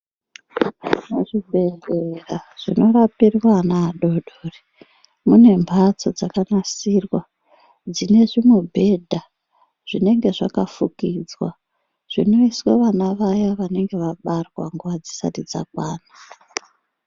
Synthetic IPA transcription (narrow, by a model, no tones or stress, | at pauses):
muʐibʱe̞ɮeraʐ̥ino̞rapirwanaːɗo̞ɗʱori | mune̞mbʱat͡sod͡zakanasirwa | d͡zine̞ʐimwebʱe̞dʱa | ʐ̥ine̞ŋɡe̞ʐakafukid͡zwa | ʐ̥ino̞isweʋanaʋajaʋane̞ŋɡe̞ʋaɓarwa̰ŋɡuʋad͡zi̥sa̰tid͡za̰kwaːna